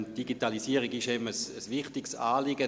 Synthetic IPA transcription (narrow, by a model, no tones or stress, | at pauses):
nd̥iɡitalisiəʁiɡɪʃɛbm̩əsəsʋɪχtɪksaːlɪɡə